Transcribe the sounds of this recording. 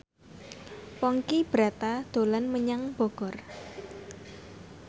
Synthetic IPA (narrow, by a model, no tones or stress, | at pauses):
pɔŋkib̥ɾat̪ad̪̥o̤lanməɲaŋb̥ɔ̤ɡ̥ɔr